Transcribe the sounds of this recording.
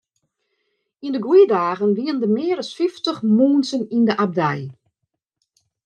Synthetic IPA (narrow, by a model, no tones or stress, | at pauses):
indəɡwiədaːɣənʋiəndəmɪːəɾəsfɪftəχmuːnsənindəʔab̚dɛj